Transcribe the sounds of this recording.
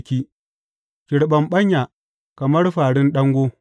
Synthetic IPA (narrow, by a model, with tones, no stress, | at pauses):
kʲiː˦ | kʲɪ˨ɽɓɐ˨mɓɐ˦ɲja˨ | kɐ˨mɐ˦rɸaː˨ɽɪ˦nɗɐ˦ŋɡʷoː˦